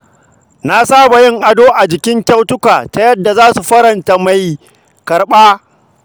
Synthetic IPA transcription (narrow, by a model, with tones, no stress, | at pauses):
na˦saː˦ba˨jɪ˦ŋʔa˨doː˦ʔa˨d͡ʒɪ˨kʲɪ˦ŋkʲa˦wtʊ˦kʷaː˨ta˨jɐ˦dːa˨zaː˦su˨ɸɐ˦ɾɐ˨nta˦ma˨j | kɐ˨ɾɓaː˦